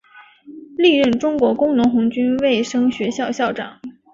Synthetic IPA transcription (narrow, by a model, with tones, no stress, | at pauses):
li˥˧ɻə˥˩nʈ͡ʂʊ˥ŋkwɔ˧˥kʊ˥ŋnʊ˧˥ŋxʊ˧˥ŋt͡ɕy˥nwe˥˩ɪʂɤ˥ŋɕɥɛ˧˥ɕjɑ˥˧ʊɕjɑ˥˩ʊʈ͡ʂɑ̰˨˩˦ŋ